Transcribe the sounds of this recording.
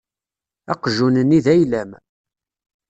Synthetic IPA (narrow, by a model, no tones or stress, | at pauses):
æ̰qʒunənːiðæjlæm